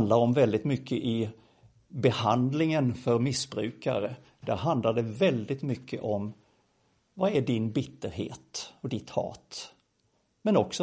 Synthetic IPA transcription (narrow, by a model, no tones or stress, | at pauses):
nd̪laɾɔmvɛld̪ɪt̪mʏkʰːəʔɪ | bɛhand̪lɪŋənfœɾmɪsbɾʉ̟ːka̰ɾə | d̪̥æɾɦand̪laɖɛvɛld̪ɪt̪mʏkʰːə̰ʔɔm | vaæɖɪnbɪt̪ːəɾɦḛːt̪ɔd̪ɪt̪hɑ̰ːt̪ | mɛnɔksɔ